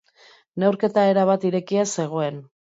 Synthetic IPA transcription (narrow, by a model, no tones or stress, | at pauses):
ne̞wɾke̞t̪ae̞ɾaβ̞at̪iɾe̞kiase̞ɣ̞o̞e̞n